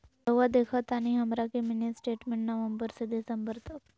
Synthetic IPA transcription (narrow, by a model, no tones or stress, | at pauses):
d̪əʋad̪ekʰət̪aɽ̃iɦəmɾakeminesʈeʈmẽɳʈnəʋəmbəɾsed̪esəmbəɾt̪ək